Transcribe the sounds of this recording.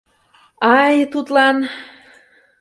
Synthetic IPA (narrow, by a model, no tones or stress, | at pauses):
ɑjt̪ut̪lɑn